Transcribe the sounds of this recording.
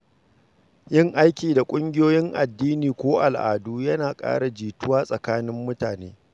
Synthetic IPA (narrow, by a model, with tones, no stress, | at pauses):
jɪ˦ŋʔa˦jkʲiː˨da˨kʷʼʊ˦ŋɡʲɪ˦joː˦jɪ˦ŋʔa˨dːiː˦niː˨kʷoː˦ʔa̰˨lʔa̰ː˨duː˦jɐ˦naː˨kʼa̰ː˦ɽa˨d͡ʒiː˨tʊ˦waː˦sʼɐ˨kaː˦nɪ˦mːʊ˦taː˨neː˦